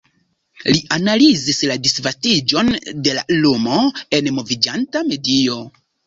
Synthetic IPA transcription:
liʔanalizisladisvastid͡ʒo̞nde̞la̰lomo̞e̞nmo̞vid͡ʒantame̞dio̞

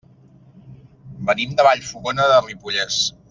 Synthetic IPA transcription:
bənimd̪əβaʎfuɣonəðəripuʎes

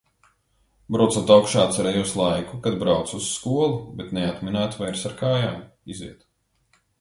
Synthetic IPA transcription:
bɾawt̪sut̪awkʃaːt̪sʲɛɾɛjuːslˠajkukad̪bɾawt̪susːkuɔlˠubet̪nɛat̪minaːt̪vajɾsaɾkaːjaːm | izḭɛt̪

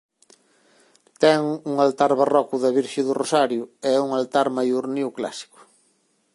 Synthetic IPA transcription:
t̪ɛŋuŋalt̪aɾβarɔkʊðɐβiɾʃeðʊrosaɾjʊɛɛuŋalt̪aɾmajuɾniwkla̰si̥kʊ̥

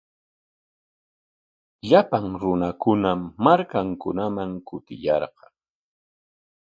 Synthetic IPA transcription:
ʎapaŋɾʊnakʊnamːaɾkaŋkʊnamaŋkʊt̪ɪ̰jɑɾqɑŋ

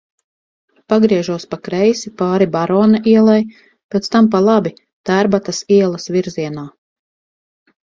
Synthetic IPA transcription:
paɡɾiɛʒuɔspakɾɛjsipaːɾibaɾɔːnaʔiɛlˠaj | pʲet̪st̪amp̬alˠabi | t̪æɾbat̪asiɛlˠɐsviɾziɛnaː

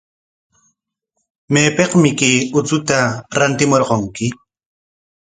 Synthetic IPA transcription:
meːpeqmɪkeːʊt͡sʊt̪aɾant̪ɪmoɾqoŋkɪ

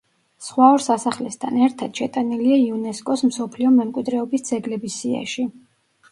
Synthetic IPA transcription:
sχwaɔɾsasaχlɛst̪ʰanɛɾt̪ʰad̪̥ʃɛt̪ʼaniliaiunɛskʼɔsm̩sɔpʰliɔmɛmkʼwid̪ɾɛɔbisd̪z̥ɛɡlɛbisia̰ʃi

